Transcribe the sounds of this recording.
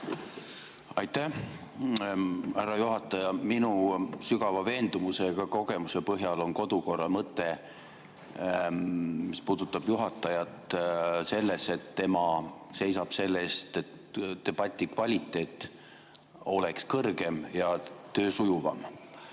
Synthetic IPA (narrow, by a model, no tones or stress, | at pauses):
ɑjt̪ːæ | hæɾɑjuɦɑt̪ːˑɑjɑminusyɡ̥ɑvɑve̞ːnd̪̥umuse̞ɡ̥ɑko̞ɡe̞muse̞pɤɦjɑlo̞nko̞d̪̥uko̞rːɑmɤt̪ːˑe̞ | mispuːd̪̥ut̪ːˑɑb̥juɦɑt̪ːˑɑjɑt̪se̞lːe̞se̞t̪ːe̞mɑse̞jsɑb̥se̞lːest̪e̞t̪ | d̥̪e̞b̥ɑt̪ʲːˑikvɑlʲit̪ːˑe̞ːt̪ːˑ | o̞le̞kskɤrɡe̞mjɑt̪ø̞ːsujuvɑ̰m